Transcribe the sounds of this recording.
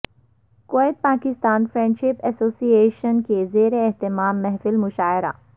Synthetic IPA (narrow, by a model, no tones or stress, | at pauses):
koɪt̪̚paːkɪst̪aːnfɾɛ̃ɳɖʃɪpɛsoːsieːʃənkezeːɾeːɦt̪ɪmaːmːɛɦfɪlmʊʃaːɪɾa̰